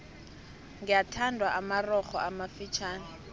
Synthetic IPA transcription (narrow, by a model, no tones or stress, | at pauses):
ŋɡijatʰandʱwaʔamarɔχɔ̰ʔamafit͡ʃʰaːna